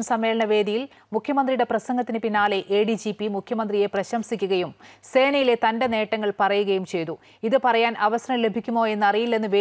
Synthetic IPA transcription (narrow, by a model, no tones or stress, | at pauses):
msɐmːe̞ːɭɐɳɐʋe̞ːd̪ijil | mukʰjɐmɐnd̪rijɽe̞prɐsɐŋɡɐt̪ːinɨpinːaːle̞ʔeːɖid͡ʑipːimukʰjɐmɐnd̪rije̞prɐɕɐmsikʲːuɣɐjumse̞ːɳɐjile̞t̪ɐnde̞ne̞ːʈːɐŋːɐɭpɐrɐjuɣɐjumt͡ɕe̞jt̪u | iðɨpɐrɐjaːnʔɐʋɐsɐrɐmle̞bʱikʲːumo̞ːe̞nːɐrijilːenːɨʋe